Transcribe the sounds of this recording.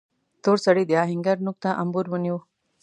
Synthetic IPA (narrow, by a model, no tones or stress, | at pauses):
t̪oːɾsɐɽid̪jaːɦiŋɡɐɾnuk̚t̪ãʔɐmbuɾʋunju